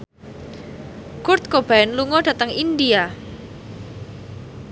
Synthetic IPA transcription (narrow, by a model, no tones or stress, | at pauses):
kʊrt̪̚kob̥aɛnluŋɔd̥ä̤t̪əŋindia